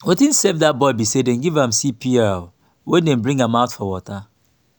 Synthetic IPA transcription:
wetĩnsɛvðat̚bɔɪbisedɛ̃nɡivãmsipʰiɛl | wɛ̃ndɛ̃nbɹĩŋɡãmãʊtfɔwɔta

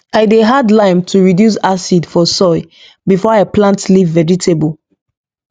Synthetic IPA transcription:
aɪdeɦadlãɪmtʰuɹidjus̬asidfɔsɔɪ | bifɔaplãntlivːɛɹitʰebɔlˠ

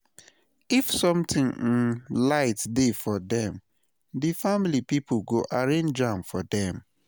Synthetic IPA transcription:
ifsɔ̃mtĩŋĩnlaɪtdefɔdɛ̃m | difamilipipɡoʔaɹẽnd͡ʒãmfɔdɛ̃m

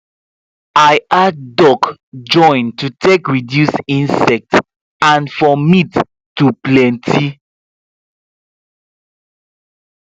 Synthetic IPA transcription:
aɪadɔkd͡ʒɔ̃ɪ̃ntutʰekɹidjusĩnsɛk̚t | ãnfɔmitː | uplɛ̃ntʰi

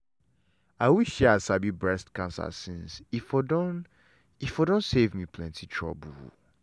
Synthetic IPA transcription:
aɪwiʃɛasabibɹɛstkãnsa̰sĩnsifɔdɔn | ifɔdõnsevmipʰlɛ̃ntʰitʰɹ̥ɔ̰bu

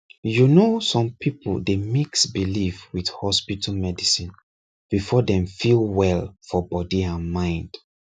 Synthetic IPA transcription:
junosɔ̃mpipo̰ldemiksbilifwidhɔspitʰamɛdisĩn | b̥ifɔdɛ̃mfilwɛlfɔbɔdiãnmãɪ̃nd̥

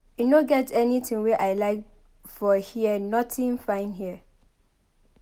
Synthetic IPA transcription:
junoɡɛtɛnitʰĩŋwɛʔaɪlaɪk | fɔhiənɔtĩnfãɪ̃nhiə

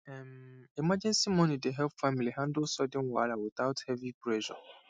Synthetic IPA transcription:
ɛmimad͡ʒɛ̃nsimɔ̃nideɦɛlpfamiliɦãndʊsɔdɪ̃nwa̰lawɪθaʊthɛvipɾɛʒɔ̰

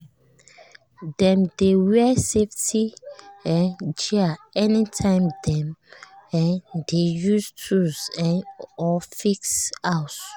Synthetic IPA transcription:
d̥ɛ̃mdewɛseftʰiɛ̃nd͡ʒɛaɛnitʰãɪ̃mdɛ̃mɛ̃ndejustʰuzɛ̃nɔfiksaʊt

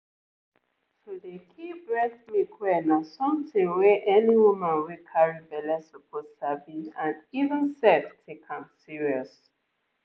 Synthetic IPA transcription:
todekʰibɹɛθmikʰwɛnasɔ̃mtĩŋwɛʔɛniwumãnwekʰaɹibɛlɛsɔpʰostabĩnãnivə̃nsɛftʰekʰãnsiɹiɔs

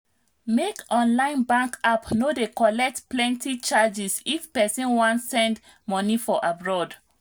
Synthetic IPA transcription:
mekɔ̃nlãɪ̃nbãŋkapnodekɔlɛk̚tplɛ̃ntit͡ʃad͡ʒisifpɛsĩnwɔ̃ntsɛ̃nd | mɔnifɔʔabɹɔd

